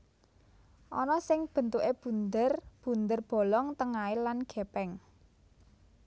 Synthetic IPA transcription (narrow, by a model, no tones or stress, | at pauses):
ʔɔnɔsɪŋb̥ə̤nt̪uʔeb̥ṳnd̪ərb̥ṳnd̪ərb̥o̤lɔŋt̪əŋailanɡ̥e̤pɛŋ